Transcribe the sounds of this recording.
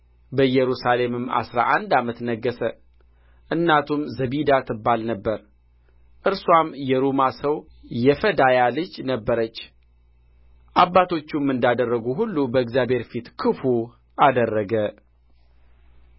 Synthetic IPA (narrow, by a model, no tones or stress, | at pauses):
bəjɛɾusale̞mɨmːa̰sɾa̰ʔand̪amət̪nəɡːəsə | ʔɨnːat̪ʰumzəβid̪at̪ʰɨbːalnəbːəɾ | ʔɨɾswamjɛɾumasəwjɛfəd̪ajalɨd͡ʒnəbːəɾət͡ʃː | ʔabːat̪ʰo̞t͡ʃːumːɨnd̪ad̪ərːəɡuɦulːubəɨɡzjabhe̞ɾfit̪kʰɨfu | ʔad̪ərːəɡə